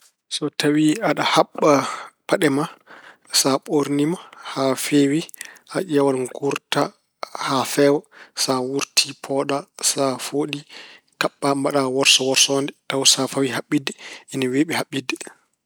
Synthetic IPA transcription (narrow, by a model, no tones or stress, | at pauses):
sɔtʰawiaɗahaɓːapaɗɛma | saɓoɾnimahafewihaʔɛwalŋɡuɾta | hafɛwasawuɾtʰipʰɔɗasafoːɗi | kaɓːambaɗawɔɾsɔwɔɾsɔndɛtawsafawihaɓːidːɛinaweɓɛhaɓːidːɛ